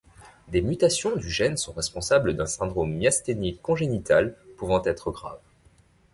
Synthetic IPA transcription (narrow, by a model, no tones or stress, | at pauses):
d̪emyt̪asjɔ̃d̪yʒɛnsɔ̃ʁɛspɔ̃sabləd̪ɛ̃sɛ̃d̪ʁomːjast̪enikːɔ̃ʒenit̪alpuvɑ̃t̪ɛt̪χəɡʁa̰v